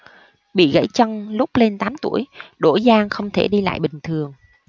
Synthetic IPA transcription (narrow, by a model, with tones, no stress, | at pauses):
ɓḭ˧˨ɣə̰˧˥jt͡ɕə˧ŋlʊ˦˥k͡p̚le˧nt̪aː˨˦mt̪u˧˩əjɗo˧˩zaː˧ŋxə˧wŋ͡mt̪ʰe˧˩ɗi˧la̰ː˧˨jɓï˨˩ŋ̟t̪ʰɨ˨˩əŋ